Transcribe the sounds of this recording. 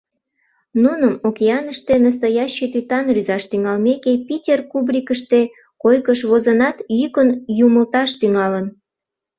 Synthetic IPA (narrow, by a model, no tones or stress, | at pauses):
nunəmokʲeɑnəʃt̪enəs̬t̪ɑjɑɕːet̪yt̪ɑnryzɑʃt̪yŋɑlmekepitʲerkubrʲikəʃt̪e | kojkəʃβozənɑt̪jykənjuməlt̪ɑʃt̪yŋɑlən